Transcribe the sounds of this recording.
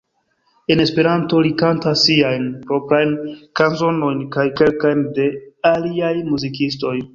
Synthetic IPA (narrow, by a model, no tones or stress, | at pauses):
e̞ne̞spe̞ɾanto̞likantasːiajnpɾo̞pɾajnkanzo̞no̞jnkajke̞lkajnde̞aliajmuzikisto̞j